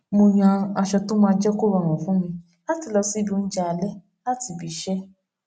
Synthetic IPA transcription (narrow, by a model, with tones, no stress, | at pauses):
mo˧j̃ã˧a˧ʃɔ˧to˦mãː˧d͡ʒɛ˦ko˦ɾa˨w̃ɔ̃˨fũ˨˦mĩ˧ | la˦ti˧lɔ˧si˦bi˧o˧ñ̩˦d͡ʒa˧˦a˨lɛ˦ | la˦ti˨˧˨bi˨ʃɛ˦